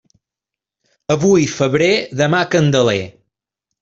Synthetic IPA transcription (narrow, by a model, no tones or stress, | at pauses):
əβujfəβɾeðəmakənd̪əle